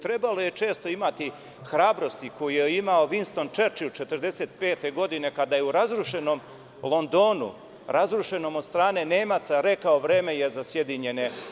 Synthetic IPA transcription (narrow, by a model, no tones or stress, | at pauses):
t̪ɾebalo̞je̞t͡ʃe̞ːst̪o̞imat̪i | xɾaːbɾo̞st̪iko̞jijeimao̞ʋinst̪o̞nt͡ʃeɾt͡ʃilt͡ʃet̪ərɾd̪e̞seːt̪pe̞ːt̪e̞ɡo̞d̪ine̞kad̪ajeuɾazɾuʃe̞no̞m | lo̞nd̪o̞ːnṵ | ɾʔazɾuʃe̞no̞mod̪st̪ɾaːne̞neːmat̪saɾe̞kaoʋɾe̞ːmeje̞zasjed̪iɲe̞ne